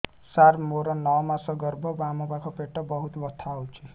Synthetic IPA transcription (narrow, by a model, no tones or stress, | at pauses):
saɾmoɾʌnʌwmasʌɡʌrbʱobamubakʰɔpeʈːʌbʌɦut̪bʌt̪ʰːawt͡sʰi